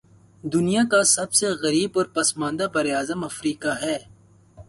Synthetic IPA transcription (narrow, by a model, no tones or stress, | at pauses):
d̪ʊnijakasɐbseɣɐɾiːbɔːɾpɐsmãːnd̪abɐɾeaːzəmɐfɾiːkaɦɛː